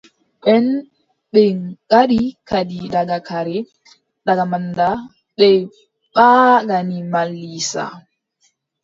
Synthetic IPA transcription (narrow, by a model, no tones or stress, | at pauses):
ɓɛn | ɓɛɡaɗikadidaɡakʰaɾɛ | ɗaɡamanda | ɓɛ | ɓaːɡanimalːisa̰